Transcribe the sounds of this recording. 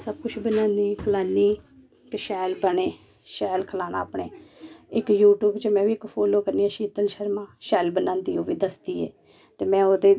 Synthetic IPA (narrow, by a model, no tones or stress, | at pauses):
səbkʊt͡ʃʰbənãːniːkʰəlaːniː | kʃɛːlbəɳeː | ʃɛːlkʰəlaːna̰ːpɳeːɪkjuːʈuːbt͡ʃəmɛ̃ːʋiːɪkpʰoːloːkəɾniːɛːʃiːt̪əlʃəɾmãːʃɛːlbənãːnd̪iːoːʋiːd̪əsd̪iːɛ̰ː | t̪eːmɛ̃ːoːd̪eː